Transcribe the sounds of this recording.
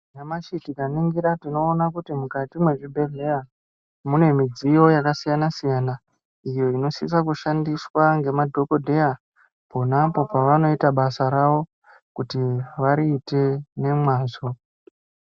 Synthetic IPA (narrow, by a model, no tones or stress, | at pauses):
jamaʃitikaniŋɡiɾatino̞ːnakutimukatimwe̞ʐibʱe̞ɮe̞ja | mune̞mid͡zijo̞jakasijanasijana | ijo̞ino̞sisakuʃandiswaŋɡe̞madʱo̞ko̞dʱe̞ja | po̞napo̞paʋano̞itaɓasaɾaʋo̞ | kutiʋaɾiːte̞ne̞mwaːzo̞